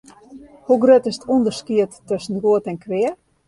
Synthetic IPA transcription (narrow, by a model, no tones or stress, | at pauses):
huɡrøtɪsətʰundəskiətːøsənɡuətɛnkʋɪə